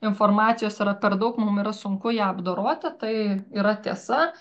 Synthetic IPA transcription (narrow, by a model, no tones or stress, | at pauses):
ɪnfoːrmɑːt̪sʲɪjoːsɪɾɐpʲɛrd̪ɐʊkmʊmiːɾɐsʊŋkʊjæːɐbd̪oːɾoɔt̪ʲɪt̪ɐɪiːɾɐt̪ʲiɛsɐ